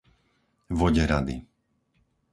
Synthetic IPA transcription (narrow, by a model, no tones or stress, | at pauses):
ʋɔɟɛɾad̪ḭ